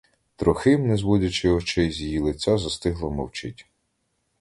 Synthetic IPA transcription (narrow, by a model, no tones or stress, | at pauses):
t̪ɾɔxɪmnɛzwɔdʲɐt͡ʃɪɔt͡ʃɛjzʲjilˠɪt͡sʲazɐst̪ɪɦlˠɔmɔwt͡ʃɪ̰tʲ